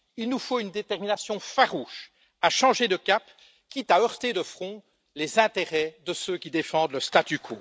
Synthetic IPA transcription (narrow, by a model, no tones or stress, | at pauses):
ilnufoynd̪et̪ɛʁminasjɔ̃faʁuʃ | aʃɑ̃ʒed̪əkʲap | kʲit̪aœʁt̪ed̪əfχɔ̃ | lezɛ̃t̪eʁɛd̪əsøkʲid̪efɑ̃d̪ləst̪at̪ykʰuː